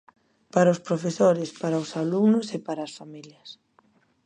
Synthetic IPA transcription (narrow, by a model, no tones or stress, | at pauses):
paɾaʊspɾofesoɾɪspaɾaosaluŋnʊsepaɾaːsfamiljɐs